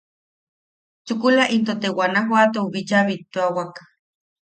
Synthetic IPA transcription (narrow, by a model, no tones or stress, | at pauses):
t͡ʃukulaʔint̪ot̪ewanaɦwat̪ouβit͡ʃaβit̪ːuawak